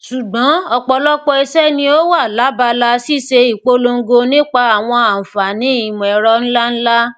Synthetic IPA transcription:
ʃu˨ɡ͡bɔ̃˨˦ɔ˧k͡pɔ˧lɔ˦k͡pɔ˧i˧sɛ˦nĩ˧o˦wa˦˨la˨˦ba˧la˧si˦˨ʃe˧i˨k͡po˨˦lo˧ŋ̩˦ɡo˧nĩ˦k͡pa˧a˨w̃ɔ̃˧a˨fa˨nĩ˨˦i˨mũ˨ɛ˨ɾɔ˧n̩˦la˦n̩˦la˦

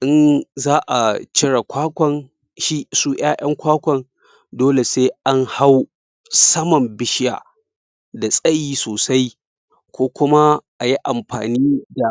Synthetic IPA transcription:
ʔɪ˦nzaː˦ʔa̰˨t͡ʃɪ˦ɽa˨kʷaː˦kʷɔ˨n | ʃi˦suː˦ʔj̰aː˦ʔɐ˦ŋkʷaː˦kʷɔ˨n | doː˦le˨seː˦ʔa˦ŋha˦w | sɐ˦mɐ˨mbɪ˦ʃɪ˦ja̰ː˨ | da˨sʼɐ˦jiː˦soː˨sa˦j | kʷoː˦kʷʊ˦ma˦ʔa˨ji˦ʔa˨mɸa̰ː˨niː˦da˨

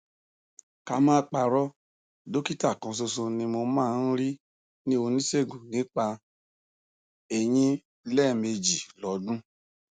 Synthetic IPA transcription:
ka˧mãː˦k͡pa˧ɾɔ˦ | do˦ki˦ta˦˨kã˧s̬o˧so˧nĩ˧mo˧mãː˦˨n̩˦ɾi˦ | nĩ˦o˧nĩ˦se˦˨ɡũ˨nĩ˨˦k͡pa˧ | e˨j̃ĩ˦ | lɛ˦˨me˧d͡ʒi˨lɔ˨˦dũ˦

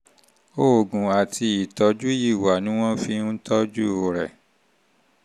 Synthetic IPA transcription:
o˦˨ɡũ˨a˨tʰi˧i˨tɔ˨˧˦d͡ʒu˦ji˦˨wa˨nĩ˦w̃ɔ̃˦fi˧n̩˦tɔ˦d͡ʒu˦o˨ɾɛ̰˨

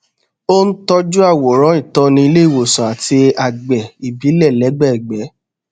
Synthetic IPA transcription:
o˦n̩˦tɔ˦d͡ʒu˦a˦˨wo˨ɾ̃ɔ̃˨˦ĩ˦˨tɔ̃˧nĩ˧i˧le˦i˦˨wo˨sɔ̃˨a˨ti˧a˨ɡ͡bɛ˨i˨bi˨˦lɛ˦˨lɛ˨˦ɡ͡bɛ˦˨ɛ˨ɡ͡bɛ˨˦

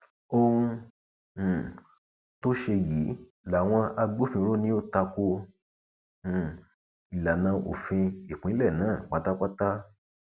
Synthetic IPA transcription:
õ˦˧˨ | to˦ʃe˧ji˨˦ | la˨w̃ɔ̃˧a˧ɡ͡bo˦˨fĩ˧ɾo˦nĩ˦o˦ta˧ko˧˨ | i˨la˨nã˧o̰˨fĩ˧i˨k͡pĩ˨˦lɛ˦˨nãː˨˦˨k͡pa˨ta˦k͡pa˦ta˦

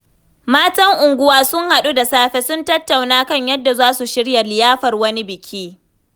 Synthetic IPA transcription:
maː˦tɐ˦ŋʔʊ˨ŋɡʷʊ˦waː˦sʊ˦ŋha˨ɗu˦da˨saː˦ɸe˦sʊ˦ntɐ˦tːa˨wnaː˦kɐ˦˨ɲjɐ˦dːa˨zaː˦su˨ʃɪ˦ɽjɐ˨lɪ˨jaː˦ɸɐ˨rwɐ˦ni˦bɪ˨kʲʰiː˦

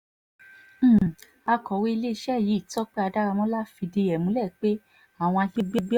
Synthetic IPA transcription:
a˧kɔ˨˦we˦i˧le˦i˧˦ʃɛ˦˨ji˨˦˨tɔ˦k͡pe˦a˧da˦ɾa˧mɔ̃˦la˦fi˧de˧ɛ˨mũ˨˦lɛ˦˨k͡pe˦ | a˦˨w̃ɔ̃˧a˧ɡe˦ɡ͡be˦ɡ͡bi˦

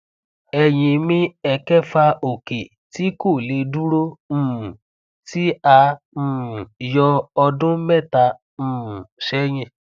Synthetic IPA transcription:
ɛ˧˨j̃ĩ˧mĩ˧ɛ˧kɛ˦fa˧o˨ke˨ | ti˦ko˦˨le˧du˦ɾo˦m̩̃ː˦˨ | ti˦ã˧˨ | jɔ˧ɔ˧dʊ̃˦mɛ˦˨ta˧ | m̩ː˨ʃɛ˨˦j̃ĩ˧

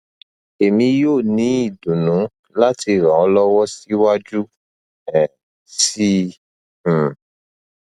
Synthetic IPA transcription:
e˨mĩ˧joː˦˨nĩ˨˦i˦˨dũ˨nũ˨˦ | la˦ti˧˨ɾã˨ɔ˨˧˦lɔ˦wɔ˦si˦wa˦d͡ʒu˦ | ɛ˨ | sĩ˦˨

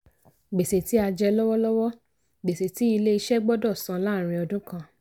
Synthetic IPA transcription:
ɡ͡be˨se˨ti˨˦a˧d͡ʒɛ˧lɔ˦wɔ˦lɔ˦wɔ˦ | ɡ͡be˨se˨ti˨˦i˧le˦i˧ʃɛ˦ɡ͡bɔ˦dɔ˦˨sã˧˦la˦˨ɾ̃ĩ˧ɔ˧dũ˦kã˧˨

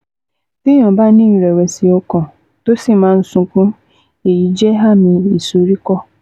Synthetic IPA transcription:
ti˦ɔ̃˨ba˦nĩ˦˨ɾe˨we˨si˨ɔ˦kɔ̃˨ | to˦si˦˨mã˨˦n̩˦sũ˨kũ˦ | e˨ji˨d͡ʒe˦ɦa˦mĩ˨i˨su˨ɾi˦kɔ˦

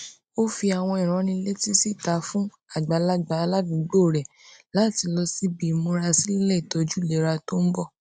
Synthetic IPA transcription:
o˦fi˧a˨w̃ɔ̃˧i˨ɾ̃ɔ̃˨˦nĩ˧˦le˦ti˦si˦˨ta˨˦fũ˦ | a˦˨ɡ͡ba˨˦la˦ɡ͡ba˧˦˧la˦dũ˨˦ɡ͡bo˦˨ɾɛ˨ | la˨˦˨ti˧lɔ˧si˦bi˧mõ˧˦ɾa˧si˦i˦lɛ˦i˨tɔ˧d͡ʒu˦˨le˨˦ɾa˧to˦n̩˦bɔ˦˨

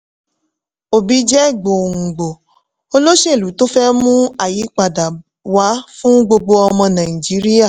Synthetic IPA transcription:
o˨bi˨˦d͡ʒɛ˦˨ɡ͡bo˨ŋ̩˨ɡ͡bo˨ | o˦lo˦ʃe˦˨lu˨˦to˦fɛ˦mũ˦a˦˨ji˨˦k͡pa˨da˨ | wa˨˦fũ˦ɡ͡bo˧ɡ͡bo˧ɔ˧mɔ̃˧nã˨ĩ˨d͡ʒi˨˦ɾi˦a˦˨

